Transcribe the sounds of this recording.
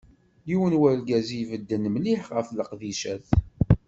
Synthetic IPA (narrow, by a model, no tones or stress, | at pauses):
jiwənwælɡæzivəd̪ːənmliħʁəfləqðiʃæθ